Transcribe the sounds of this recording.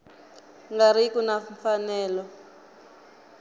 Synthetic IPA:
ŋɡaɾ̤ikunafanɛːlɔ

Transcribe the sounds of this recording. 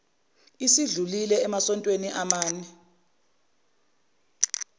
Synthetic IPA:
isiɮulilɛɛmasɔntʼweniʔamaːnɛ

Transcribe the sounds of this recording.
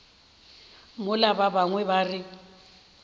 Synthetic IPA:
mʊlababaŋwɛbarɪ

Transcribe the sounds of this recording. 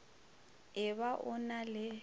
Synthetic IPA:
ɪβaʔʊnalɪ

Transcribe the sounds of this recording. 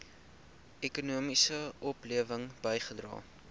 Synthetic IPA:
ɛkunuəmisəʔɔpliəvəŋb̥əjχədrɑ̰ː

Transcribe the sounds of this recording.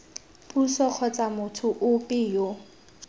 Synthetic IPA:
pʼusɔq͡χʰɔt͡sʼamʊtʰʊʔʊpʼɪjo

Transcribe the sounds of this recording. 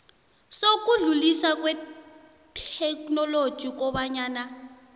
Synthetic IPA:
sok̬ʼuɮulisak̬wɛ | tʰɛknɔlo̥ʒ̥ʱik̬ɔɓaɲaːna

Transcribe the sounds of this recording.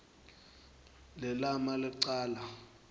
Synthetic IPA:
lɛlamalɪǀaːla

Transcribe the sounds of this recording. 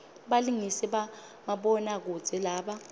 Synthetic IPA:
ɓaliŋisɛɓa | maɓɔnak̬u̥d͡z̥ʱɛlaːɓa

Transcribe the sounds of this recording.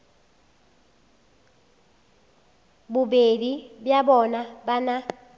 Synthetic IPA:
bubedibjabɔnabana

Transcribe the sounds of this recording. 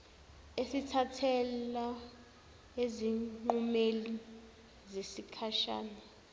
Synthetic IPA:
esitʰatʰɛla | eziŋ͡ǃumeli | zesikʰaʃa̰ːna

